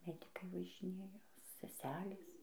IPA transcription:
ˈmʲæːdʲɪkɐɪ ʋɐʒʲɪˈnʲeːjɛ sʲɛˈsʲæːlʲeːs

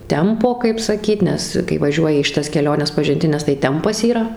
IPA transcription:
ˈtʲɛmpoː kɐɪp sɐˈkʲiːt ˈnʲɛs kɐɪ ʋɐˈʒʲuɔjɪ iː ʃʲɪˈtɐs kʲɛˈlʲoːnʲɛs pɐʒʲɪnʲˈtʲɪnʲɛs tɐɪ ˈtʲɛmpɐs iːˈrɐ

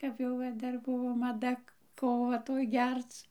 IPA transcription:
kɐp jɛʊ ˈʋɐ ˈdɐr ˈbʊʋoː mɐˈdɐ ˈkoːʋɐ ˈtoːj ˈɡʲɛrt͡s

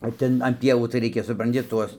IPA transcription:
oː ˈtʲɛn ɐn ˈpʲiɛʋuː tɐɪ ˈrʲɛɪkʲɛ sʊprɐnʲˈtʲɪ ˈtuɔs

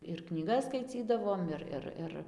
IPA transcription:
ɪr knʲiːˈɡɐs skɐɪˈt͡sʲiːdɐʋoːm ˈɪr ˈɪr ˈɪr

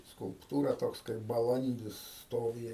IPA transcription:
skʊlˠpˈtuːrɐ ˈtoːks kɐɪp bɐˈlˠɐnʲdʲɪs ˈstoːʋʲɪ

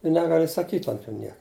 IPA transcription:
ɪ ˈnʲæːɡɐlʲɪ sɐˈkʲiːtʲ ɐnt juː ˈnʲiɛk

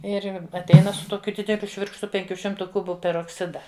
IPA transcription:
ˈɪr ɐtʲˈɛɪnɐ sʊ ˈtoːkʲʊ ˈdʲɪdʲɛlʲʊ ˈʃʲʋʲɪrkʃtʊ ˈpʲɛŋʲkʲuː ˈʃʲɪmtʊ ˈkʊbʊ pʲɛroːkˈsʲɪdɐ

